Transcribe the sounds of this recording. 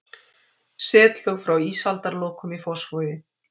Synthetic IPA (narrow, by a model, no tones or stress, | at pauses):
sɛːt̪l̥œɣfɾawiːsalt̪aɾlɔːwkʏmifɔwsfoːjɪ